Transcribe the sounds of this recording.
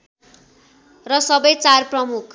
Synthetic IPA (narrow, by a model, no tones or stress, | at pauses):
rʌsʌbʌjt͡sarprʌmukʰ